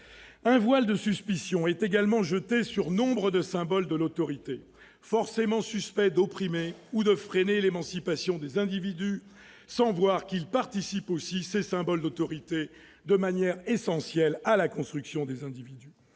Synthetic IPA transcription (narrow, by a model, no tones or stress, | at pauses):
ɛ̃vwald̪əsyspisjɔ̃ɛt̪eɡalmɑ̃ʒət̪esyʁnɔ̃bʁəd̪əsɛ̃bɔld̪əlot̪ɔʁit̪e | fɔʁsemɑ̃syspɛd̪opχimeud̪əfχenelemɑ̃sipasjɔ̃d̪ezɛ̃d̪ivid̪y | sɑ̃vwaʁkilpaʁt̪isiposisesɛ̃bɔld̪ot̪ɔʁit̪e | d̪əmanjɛʁesɑ̃sjɛlalakɔ̃st̪χyksjɔ̃d̪ezɛ̃d̪ivid̪y